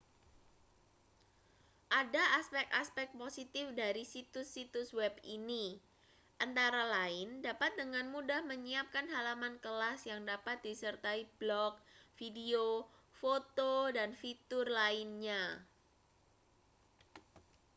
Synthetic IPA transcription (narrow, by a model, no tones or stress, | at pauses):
ʔadaʔːspɛkaspɛk̚t̪̚posit̪ɪfdaɾisit̪ʊsːit̪ʊswɛbini | ʔant̪aɾalaɪndapat̪̚dəŋanmudahməɲiap̚kanɦalamankəlasjaŋdapat̪̚disərt̪aib̥lɔk̚fideofot̪odanfit̪ʊrlaɪnɲa